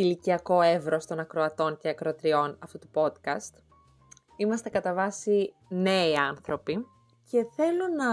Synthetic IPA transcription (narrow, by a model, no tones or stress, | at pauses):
iliciɐko̞evɾo̞st̪o̞nɐkɾoɐt̪o̞ɲce̞ɐkɾoɐt̪ɾio̞nɐft̪ut̪upo̞t̪kɐst̪ | imɐst̪ekɐt̪ɐvɐsi | ne̞iɐnθɾo̞pi | ce̞θe̞lonɐ